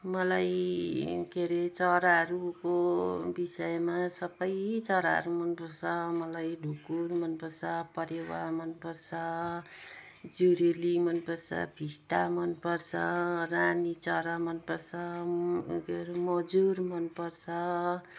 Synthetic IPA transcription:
mʌlaj | keɾet͡sʌɾaɾukobisʌjmasʌbʌjt͡sʌɾa̰ɾumʌnpʌrt͡sʰʌmʌlajɖʱukuɾmʌnpʌrt͡sʰʌpʌɾewa̰mʌnpʌrt͡sʰʌ | d͡zuɾilimʌnpʌrt͡sʰʌ̰bʱisʈamʌnpʌrt͡sʰʌranit͡sʌɾamʌnpʌrt͡sʰʌ | keɾemʌd͡zuɾmʌnpʌrt͡sʰʌ

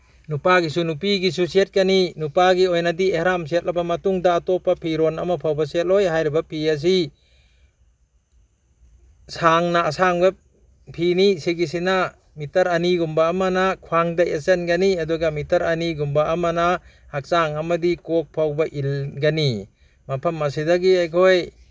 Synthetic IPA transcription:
nupaɡisunupiɡisusiet̚ɡɐninupaɡiojnɐdiehɾamset̚lɐbɐmɐtuŋdɐːtɔpːɐpʰiɾonɐ̰mɐpʰawbɐset̚lojɦajɾibɐpʰiɐs̬i | saŋnɐːsaŋbɐ | pʰinisiɡis̬ina | mitɐɾɐniɡumbaːmɐnɐkʰwaŋdajesenɡaniɐduɡɐmitɐɾɐniɡumbaʔːmɐna | hak̚saŋɐmɐdikok̚pʰawbɐʔilɡani | mɐpʰɐmɐs̬idɐɡiajkʰoj

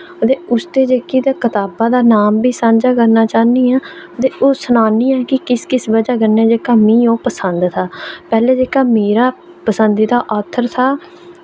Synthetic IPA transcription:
ət̪eːʊst̪eːd͡ʒeːkiːd̪aːkət̪aːbaːd̪aːnaːmbiːsãːnd͡ʒaːkəɾnaːt͡ʃaːniːaːət̪eːʔoːsənaːniːɛːkɪkɪskɪsʋəd͡ʒaːkəɾneːd͡ʒeːkaːmĩːõːpəsənd̪t̪ʰaːpɛːleːd͡ʒeːkaːmeːɾaː | pəsənd̪iːd̪aːʔɔːt̪ʰːəɾt̪ʰaː

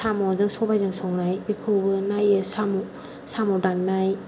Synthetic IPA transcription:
samɔzɯŋsɔbajzɯŋsɔŋnajbikʰɯbɯnajɯsamɔ | samɔdanːaj

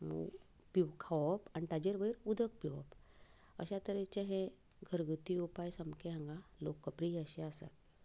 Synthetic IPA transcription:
piʋkʰaʋɔpaniʈ̪ad͡ʑeɾʋəiɾud̪ʱək̚piʋɔ̰p | ə̰ɕat̪əɾet͡ɕeɦẽ | ɡʱəɾɡət̪iupajsəmkeɦãŋɡalokːəpɾiəɕeasa̰t̪

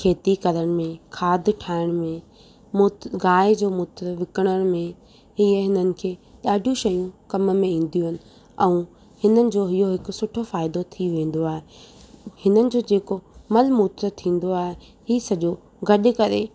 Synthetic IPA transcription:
kʰeːt̪ikɐɾəɽ̃̆mẽkʰaːd̪ʱʈʰaːɪɽ̃mẽ | mʊt̪ɡaːɪd͡ʑoːmʊːt̪ɾʋɪkəɽ̃əɽ̃mẽ | ɦiəɦɪnənɪ̆kʰeːɗaːɖʱijũʃɐjũkɐmmẽĩːn̆d̪ijũɦɪnɪ̆ | ɛ̃ũ | hɪnənɪ̆d͡ʑoːɦijoɦɪkʊ̆sʊʈʰofaːɪd̪ot̪ʰiʋẽːn̆d̪oaːɦe | hɪnənɪ̆d͡ʑoːd͡ʑeːkomɐlmuːt̪ɾət̪ʰĩːn̆d̪oaːɦe | ɦiːsɐʄo | ɡɐɗ̆kɐɾe

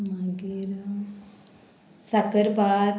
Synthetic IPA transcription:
maɡiɾ | sakəɾbaː

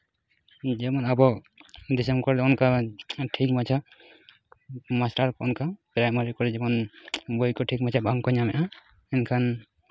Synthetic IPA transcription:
d͡ʒɛmɔnabɔ | d̪isɛmkɔɾlɛɔnkaʈʰikmat͡ʃʰa | masʈaɾkɔɔnkapɾajmaɾikɔɾlɛd͡ʒɛmɔnbɔjkɔʈʰik̚mat͡ʃʰabʱaŋkɔɲamɛʔã | ɛnkʰan

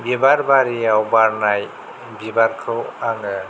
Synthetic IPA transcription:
bebaɾbaɾiawbaɾnaj | bibaɾkʰɾɯwaŋɯ

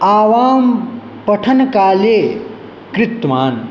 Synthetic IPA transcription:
aːʋaːm | pəʈʰənkaːle | kɾit̪maːn

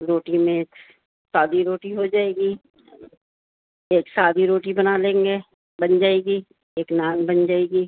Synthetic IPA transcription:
ɾoːʈimẽeːk | saːd̪ʱiɾoːʈiɦod͡ʒaːeːɡi | eːksaːd̪ʱiɾoːʈibɐnalẽːŋɡe | bɐnd͡ʒaːeːɡi | eːknaːnbɐnd͡ʒaːeːɡiː

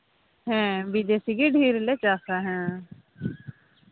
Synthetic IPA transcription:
ɦɛ̃ːbid̪eːsiɡiɖʱiːɾlet͡ʃaːsaːɦɛ̃ː

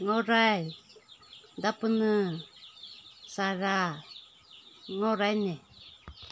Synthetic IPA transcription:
ŋoɾaj | dapɯnɯ | saɾa | ŋoɾajne

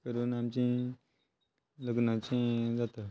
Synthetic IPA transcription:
kəɾuːnamt͡ɕĩ | ləɡnãt͡ɕẽd͡zat̪a

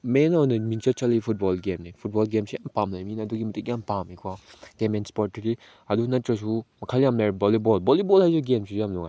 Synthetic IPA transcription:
menɔwnɐmint͡ʃɐt͡ʃɐlipʰut̚bɔlɡemnipʰut̚bɔlɡemsijampamlajminɐduɡimɐtikjampamikʰwaɡ̥emɛnspɔt̚ːiɾi | ɐdunɐtɾɐs̬umɐkʰaljamlajbɔlibɔlbɔlibɔlhajzuɡemsʰijamlɔŋa̰

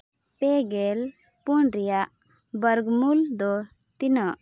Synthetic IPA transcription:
pɛɡɛl | puɳɾɛjaʔ | bəɾɡmuld̪ɔ | t̪inəʔ

